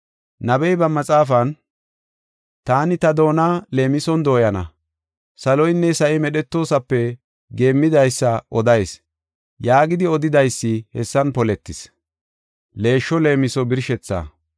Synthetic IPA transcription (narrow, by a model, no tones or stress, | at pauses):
nɐbɛjbɐmɐt͡sʼaːfɐn | t̪aːnɪt̪ɐd̪o̞ːnɐle̞ːmɪsɔnd̪o̞ːjɐnɐ̰ | sɐlɔjnːɛsɐʔɪmɛɗɛt̪ːo̞ːsɐpːɛ | ɡe̞ːmːɪd̪ɐjsːɐʔɔd̪ɐjs | jaːɡɪd̪ɪɔd̪ɪd̪ɐjsːɪhɛsːɐnpɔlɛt̪ːɪs | le̞ːʃːɔle̞ːmɪsɔbɪɾʃɛt͡sːa̰ː